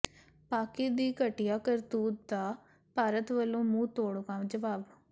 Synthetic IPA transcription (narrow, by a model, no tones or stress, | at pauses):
paːkiːd̪iːkəʈɪjaːkəɾt̪uːt̪d̪aː | paːɾət̪ʋəlõːmũːt̪oːɽokãːmd͡ʒəʋaːb